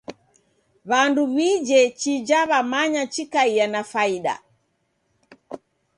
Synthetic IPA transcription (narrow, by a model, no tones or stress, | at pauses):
βanduβid͡ʒɛt͡ʃid͡ʒaβamaɲat͡ʃikaianafaiɗa̰